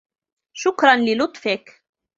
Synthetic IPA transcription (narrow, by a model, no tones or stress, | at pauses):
ʃʊkɾˤɑnlɪlʊt̪ˤfik